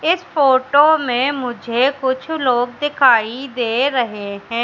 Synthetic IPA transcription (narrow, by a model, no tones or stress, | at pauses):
ɪspoːʈoːmẽmʊd͡ʒʱekʊt͡ʃʰloːɡ̚d̪ɪkʰaːid̪eːɾəɦeɦɛ̃ː